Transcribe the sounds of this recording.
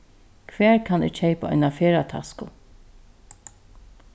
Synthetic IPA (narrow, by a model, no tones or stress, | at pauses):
kʰʋɛːɹkʰanɪ̰ːɹt͡ʃeɪpaɔ̰jnafeːɹat̪ʰa̰skʊ